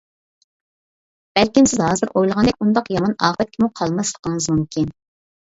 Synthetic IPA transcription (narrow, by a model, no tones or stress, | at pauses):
b̥ɛlkʲimsɪzɦɑːzɨɾʔojlˠəʁɑnd̪ɛkʲund̪ɑqjɑmɑnɑːʁɛt̪̚kʲʰimuqʰɑlˠmɑslˠə̥qɑŋɨzmumkʲʰin